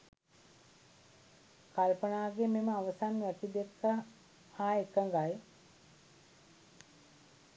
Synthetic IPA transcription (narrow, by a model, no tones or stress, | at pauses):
kalpənaːɡememəaʋəsanʋækid̪ekːə | haːekəŋɡaj